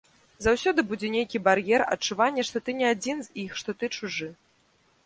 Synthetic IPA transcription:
zawsʲɔd̪ɨbud͡zʲɛnʲejkʲibaɾjɛrɐ̰t͡ʂuvanʲːɛʂt̪ɔt̪ɨnʲɛad͡zʲinzʲixʂt̪ɔt̪ɨt͡ʂuʐɨ

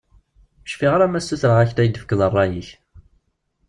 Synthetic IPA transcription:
ə̥ʃfiʁaɾæmæsːuθɾəʁæçt̪æjəd̪əfə̥kːəðˤərˤːɑjiç

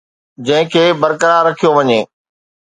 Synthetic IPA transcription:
d͡ʑɐ̃ɦɪ̃kʰeːbɐɾkəɾaːɾɐkʰijoʋɐɲeː

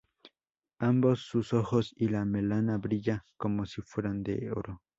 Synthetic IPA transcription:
ambosːusoxosilamelanaβɾiʎakomosifweɾand̪eo̰ɾo

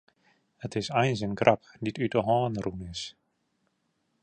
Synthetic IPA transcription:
hətɪsɛjnsənkrʔap | ditytəɦɔːnrunɪs

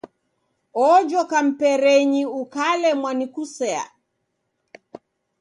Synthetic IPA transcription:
ɔd͡ʒɔkam̩pɛɾɛɲiukalɛmwanikusɛa̰

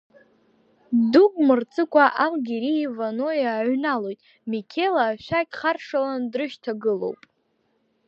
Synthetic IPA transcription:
dukʼmɨrt͡sʰʼɨkʷʰʼaʔalɡʲiɾiːvano̞jaʕʷnalo̞jtʼ | mikʲʰelaːʃᶣakʲʼχarʂalandrɨʃtʰaɡɨlo̞̰wpʼ

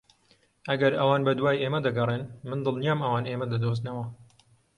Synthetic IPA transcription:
ʔɐɡɐɾɐwaːnbɐd̪waːjeːmɐd̪ɐɡɐrˤeːnmɨnd̪ɨlˠnijaːmɐwaːneːmɐd̪ɐd̪oːznɐwɐ

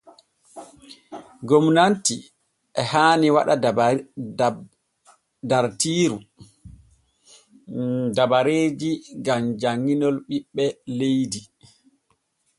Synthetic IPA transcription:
ɡomnanti | ʔɛhaːniwa̰ɗa | daɾtiːɾu | dabaɾeːd͡ʒiɡamd͡ʒaŋːinɔlɓiɓːɛlejdi

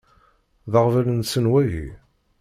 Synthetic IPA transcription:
ðəʁvælənsənwæjḭ

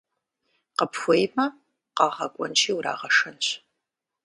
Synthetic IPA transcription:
qəpxʷɔjmɐ | qɑːʁɐkʷʼɔ̰nt͡ʃʰʼiːwɾa̰ːʁɐʂɐnɕ

